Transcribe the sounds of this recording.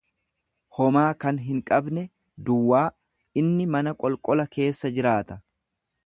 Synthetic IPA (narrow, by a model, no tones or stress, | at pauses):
hɔmaːkɐnɦɪŋkʼɐbnɛ | d̪ʊwːaː | ɪnːɪmɐnɐkʼɔlkʼɔlɐke̞ːsːɐd͡ʒɪɾaːt̪ɐ